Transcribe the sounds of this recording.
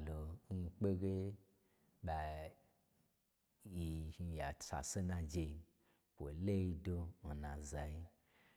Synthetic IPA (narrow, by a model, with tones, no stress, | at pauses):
lo˨ŋ̩˦˧k͡pe˦ɡe˦ | ɓa˨ | ji˨i˨ja˨t͡sa̰˨se˦nã˧d͡ʒe˧i˧ | kʷo˨le˦i˧do˧n̩˨nã˨za˨ji˦